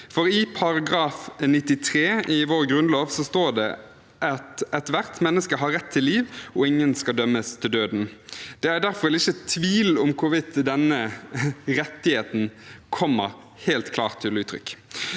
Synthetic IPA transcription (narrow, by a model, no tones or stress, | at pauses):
fɔɾɪpʰɑɾɑɡɾɑːfnɪt̪ːɪt̪ʰɾeːʔɪʋoːɾɡɾʉnloːʋsɔst̪oːd̪ɛ̰ | ʔɑt̪ɛt̪ʋæʁt̪mɛnːəskəɦɑɾːɛt̪ʰːɪlːiːʋɔɪŋːənskɑld̪œmːəst̪ʰɪld̪øːd̪nd̪̥ɛæɾd̪æɾfɔɾɛlɪçːət̪ʰʋiːlʊmkʰʊɾʋɪt̪d̪ɛnːə | ɾɛt̪ːɪheːt̪n̩kʰɔmːə̰ɾ | heːlt̪kʰlɑ̰ːʁt̪ʰːɪlʉːt̪ɾʏ̰kː